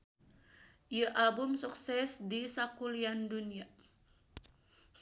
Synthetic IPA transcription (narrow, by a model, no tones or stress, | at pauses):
ijaʔabʊmsuksɛsdisakuliandunia